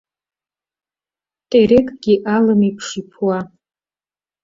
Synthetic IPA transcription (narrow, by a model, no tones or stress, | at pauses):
tʼeɾekʼɡ̥ʲiʔalɨmipʰʂipʰwa